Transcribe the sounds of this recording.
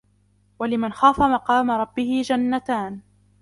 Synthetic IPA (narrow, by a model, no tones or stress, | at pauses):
walɪmanxaːfamɑqɑːmaɾˤɑbːɪhɪd͡ʒanːat̪aːn